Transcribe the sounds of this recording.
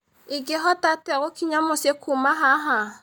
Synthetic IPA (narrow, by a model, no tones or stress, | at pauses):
iɡeɦɔtatɛɣokiɲamosekʰumaɦaɦa